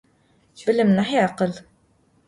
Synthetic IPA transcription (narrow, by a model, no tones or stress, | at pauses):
bələmnəħjəʕqəl